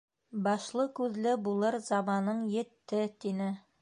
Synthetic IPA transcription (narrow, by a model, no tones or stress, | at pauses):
bɑʃlˠɤkʉðlɘbulˠɤɾzɑmɑnɤɴjɘ̆t̪ːɘt̪inɘ